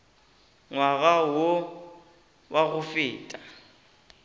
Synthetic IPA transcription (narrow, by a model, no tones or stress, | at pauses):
ŋwaɣawo | waɣʊfɪːtʼa